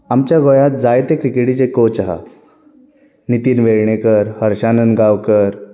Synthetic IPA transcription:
amt͡ɕjaɡojat̪̚d͡zajt̪ekɾikeɽit͡ɕekot͡ɕaɦa̰ | nit̪iːnʋeɭɳekəɾhəɾɕanənɡawkəɾ

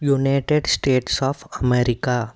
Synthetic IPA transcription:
junajʈeɖsʈeːʈsɔːfʰəmeɾika

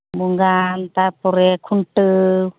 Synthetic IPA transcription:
buŋɡant̪apɔɾɛkʰunʈɯ

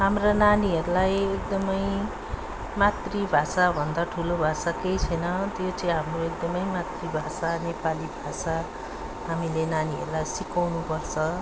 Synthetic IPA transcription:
ɦamrananiɦʌɾulajek̚d̪ʌmʌj | mat̪ribʱasabʱʌnd̪aʈʰulobʱasakejt͡sʰʌjnʌt̪jot͡sʌĩɦamroek̚d̪ʌmʌjmat̪ribʱasanepalibʱasa | ɦamilenaniɦʌ̰ɾulajsikawnupʌrt͡sʰʌ

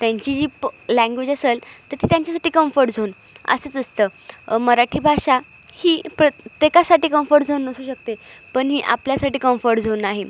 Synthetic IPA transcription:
t̪jãɲt͡ɕid͡ʑiːlæ̃ŋɡʋed͡ʑəsəlt̪əɾt̪ʰiːt̪jaɲt͡ɕasaʈiːkəmfəɾʈ̚d͡zʱon | ə̰sət͡səst̪əːməɾaʈʰiːbʱaɕa | hiːpɾət̪jekasaʈiːkəmfəɾʈd͡zʱonːəsuːɕək̚t̪epəɳɦiːʔa̰pljasaʈiːkəmfəɾʈd͡zʱonaɦe

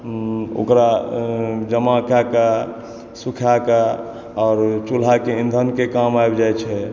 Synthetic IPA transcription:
o̰kɾa | d͡ʒəmakaka | sukʰjaka | ɔːɾt͡ʃul̤ɦakeind̪ʱənkekamajbd͡ʒajt͡ʃʰɛ

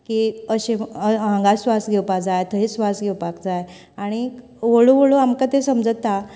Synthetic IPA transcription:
kiəɕeãŋɡasʋasɡʱewpakd͡zajt̪ʰəɦesʋasɡʱewpakd͡zaj | aɽ̃i | ʋəɭoʋəɭoamkat̪esəmd͡zət̪ːa

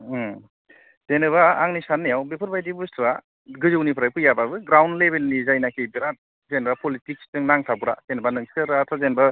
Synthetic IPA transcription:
tenɯβaaŋnisanːijawbepʰɯɾbajdibustɾa | ɡɯzɯwnipʰɯɾajpɯjababɯɡɾawnlebelnizajnakʰebiɾat̚ | zenbapɔlitik̚stɯŋnaŋtʰabuɾa̰zenɯbanɯŋskɯɾatʰazenba

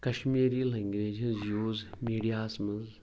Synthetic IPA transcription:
kɐʃmiːɾiːleŋɡɾeːd͡ʒzjuːzmiːɽijaːsmɐz

